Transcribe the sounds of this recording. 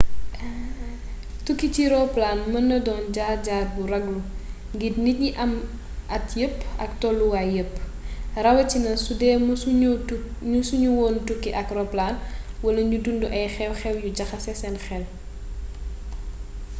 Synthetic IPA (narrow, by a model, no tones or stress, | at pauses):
tukːiciɾɔplaːnmɐndɐdɔːnɟaːɟaːt̚buɾɐɡlu | ŋɡidnit̚ɲiʔɐm | ʔɐtjəpːɐktɔlːuwaːjəpː | rɐwɐcinɐsudɛːm | ɲusuɲuwɔːntukːiʔɐkrɔplaːnwɐlɐɲudunduʔɐjxɛwxɛwjuɟɐxɐsɛsɛnxɛl